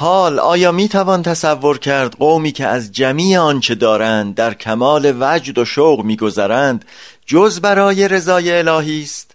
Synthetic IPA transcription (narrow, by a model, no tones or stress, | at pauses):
hɒːlɒ̰ːjɒːmiːt̪ʰævɒːnt̪ʰæsævːo̞ɾcʰæɾd̪ɢowmiːcʰe̞æzd͡ʒæmiːeɒnt͡ʃʰe̞d̪ɒːɾænd̪̚ːæɾcʰæmɒːle̞væd͡ʒd̪o̞ʃowɣmiːɡo̞zæɾænd̪̥ | d͡ʒozbæɾɒːje̞ɾe̞zɒːje̞ːlɒːɦiːst̪